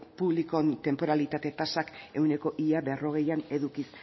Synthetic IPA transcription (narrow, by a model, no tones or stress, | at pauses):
puβliko̞nt̪e̞mpo̞ɾalit̪at̪e̞t̪asake̞wne̞ko̞ʔiaβero̞ɣ̞e̞jane̞ðukis